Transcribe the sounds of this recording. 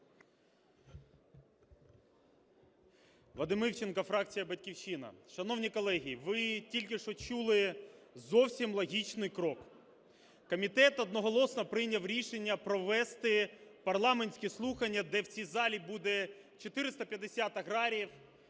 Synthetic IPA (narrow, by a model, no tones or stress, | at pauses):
ʋlˠɐd̪ɪmɪwt͡ʃenkɐfɾɑk̚t͡sʲijɐbɐtʲkʲiwʃinɐ̰ʃɐnɔwnʲikɔlˠɛɦʲijiʋɪtʲilʲkɪʃɔt͡ʃulˠɪzɔwsʲimlˠɔɦʲit͡ʃnɪjkɾɔk | kɔmʲit̪ɛt̪ɔd̪̚nɔɦɔlˠɔsnɐpɾɪnʲɐwɾʲiʃenʲːɐpɾɔʋɛst̪ɪpɐrlˠɑmenʲsʲkʲɛslˠuxɐnʲːɐd̪ɛwt͡sʲizɑlʲibud̪ɛ | t͡ʃɔt̪ɪɾɪst̪ɐpʲjɐd̪esʲat̪ɐɣɾɑɾʲiw